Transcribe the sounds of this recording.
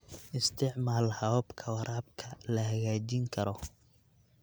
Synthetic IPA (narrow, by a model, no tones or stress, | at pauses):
ʔɪst̪ʰɪʕmaːlhɐwbkʰɐwɐɾaːb̚kʰɐlɐhɐɣaːt͡ʃiŋkʰɐɾɔ